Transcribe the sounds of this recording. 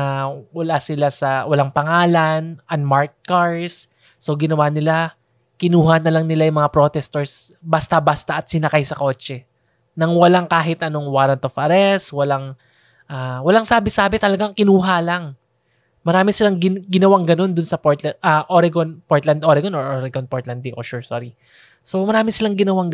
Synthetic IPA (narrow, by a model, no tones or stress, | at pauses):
awɐlasɪlasɐwɐlaŋpɐŋaːlɐnʔɐnmaɹt̪̚kaɹsː | o̞ɡɪnɐwanɪla | kɪnuːɦanɐlaŋnɪlajʊŋmɐŋapɾo̞t̪ɛst̪oɹsbɐst̪abast̪aʔɐt̪sɪnɐkajsɐko̞ːt͡ʃɛ | nɐŋwɐlaŋkaːɦɪt̪ʔɐno̞ŋwaːɾɐnt̪ofɐɾɛswɐlaŋ | ʔaːwɐlaŋsaːbɪsaːbɪt̪ɐlɐɡaŋkɪnuːɦalaŋ | mɐɾaːmɪsɪlaŋɡɪɡɪnɐwaŋɡɐno̞nd̪ʊnsɐpoɹt̪lɐʔaʔoɾɛɡonpoɹt̪lɐnd̪ʔoɾɛɡonoɹʔoɾɛɡonpoɹt̪lɐnd̪iʔoʃuɹsoɾi | so̞mɐɾaːmɪsɪlaŋɡɪnɐwaŋ